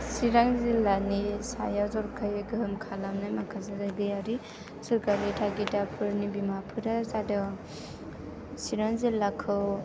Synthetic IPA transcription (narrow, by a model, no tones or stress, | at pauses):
siɾaŋzilanisajazɔɾkʰɯjɡɯmkʰalamnajmakʰazezaɡɯjaɾi | suɾkaɾitʰaɡitapʰɯɾnibimapʰɯɾazadɯ | siɾaŋzilakʰɯw